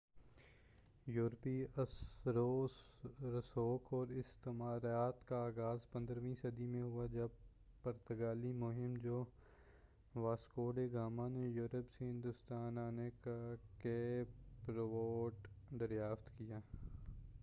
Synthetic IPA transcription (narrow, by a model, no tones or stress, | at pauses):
juːɾpiəsɾoːsɾəsoːkʰɔːɾɪst̪emaːɾaːt̪kaaːɡaːzpə̃nd̪ɾʋĩːsɐd̪imẽɦʊad͡ʒɐb̚ | pəɾt̪əɡaːlimʊɦɪmd͡ʒoː | ʋaːskoːɖeɡaːmanejʊːɾəpseɦɪ̃nd̪ʊst̪aːnaːnekakeːpɾʋoːʈd̪əɾjaːft̪kɪjaː